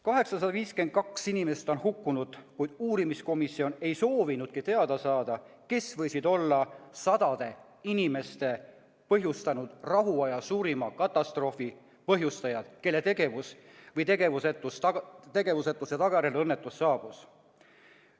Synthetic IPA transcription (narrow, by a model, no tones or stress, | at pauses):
kɑɦe̞ksɑsɑd̪ɑviːsken̚kɑksinime̞st̪o̞nhukːunud̪̥kujd̪̥uːɾimisko̞misio̞ne̞jso̞ːvinud̪̥kit̪e̞ɑd̪̥ɑsɑːd̪̥ɑke̞svɤ̞jsid̪̥o̞lːɑsɑd̪ɑd̪̥e̞ | inime̞st̪e̞ | pɤɦjust̪ɑnud̪̥rɑɦuɑjɑsuːɾimɑkɑt̪ːˑɑst̪ro̞fi | pɤɦjust̪ɑjɑd̪̥ke̞lːe̞t̪eɡevusvɤjt̪e̞ɡe̞vuset̪ːˑust̪e̞ɡe̞vuset̪ːˑusɑt̪ɑɡ̥ɑjɾelɤnːe̞t̪ːˑusːɑːb̥us